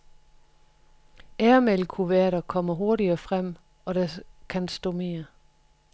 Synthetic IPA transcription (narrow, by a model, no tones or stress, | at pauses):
æːɐmelkʰuʋæɐɾɐkʰɒ̽m̰ɐɦo̝ɐɾiɐfʁam̰ | ɒ̽ɾ̥ækʰænsd̥ɔ̰me̝ːɐ